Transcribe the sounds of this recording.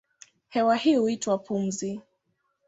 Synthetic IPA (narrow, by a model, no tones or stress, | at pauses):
hɛwahihuitwapʰum̩zi